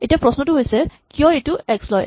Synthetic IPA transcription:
etijapɹɔsnɔtuɦojsɛkijɔ̃etuɛkslɔj

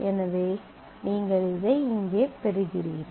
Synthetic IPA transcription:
ʔɛnɐʋeː | niːŋɡɐɭɪðɐɪɪŋɡeːpɛɾɯɣɪriːɾ

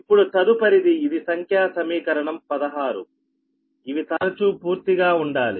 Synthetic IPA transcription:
ipːuɽut̪ɐd̪upɐɾid̪iːd̪isɐŋkʰjaːsɐmiːkɐɾɐɳɐmpɐd̪ɐɦaːɾṵ | iʋit̪ɐɾɐt͡ʃuːpuːɾt̪iɡaːuɳɖaːli

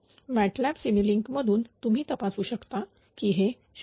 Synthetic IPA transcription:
mæʈlɛpsimiliŋkməd̪ʱuːnt̪um̤iːt̪əpasuːɕəkt̪a | kiːɦe | ɕ

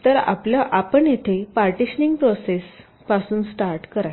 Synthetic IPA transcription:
t̪əɾa̰pljaʔapəɳjet̪ʰepaɾʈiɕniŋɡpɾoses | pasuːnsʈaɾʈkəɾaj

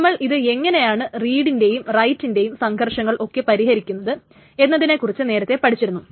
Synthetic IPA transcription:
ɐmːɐɭʔiðɨe̞ŋːɐne̞jaːɳɨriːɽinde̞jumrɐjtːinde̞jumsɐŋɡʰʱɐrʂɐŋːɐɭʔo̞kːe̞pɐɾiɦɐɾikʲːunːɐðɨ | enːɐðine̞kːurit͡ɕːɨne̞ːɾɐt̪ːe̞pɐʈit͡ɕːiɾunːu

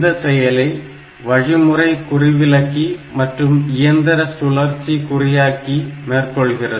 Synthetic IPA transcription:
d̪ɐsɛjɐlɐɪ | ʋɐɻɪmɯrɐɪkʊrɪʋɪlɐkːimɐʈrɯmɪjɐnd̪ɐɾɐsʊɭɐɾt͡ʃːikʊrɪjaːkimeːrkɔɭɣɪrɐðɯ

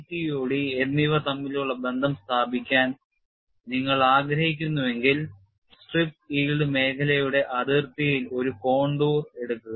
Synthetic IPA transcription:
t̪ːijo̞ːɽied̪miʋɐt̪ɐmːiluɭːɐbe̞nd̪ʱɐmst̪ʰaːbʱikʲːaːn | niŋːɐɭaːɡɾɐhikʲːunːuʋe̞ŋɡil | sʈrip̚ʈiːlɖɨme̞ːkʰɐlɐjuɽe̞ʔɐd̪irt̪ijilo̞ɾuko̞ːɳɖuːre̞ɽukːuɣɐ

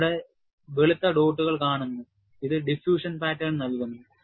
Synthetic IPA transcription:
ɽe | ʋeɭit̪ːɐɖo̞ːʈːuɣɐɭkaːɳunːu | iðɨɖifjuːʂɐnpaːtːɐlnɐlkunːu

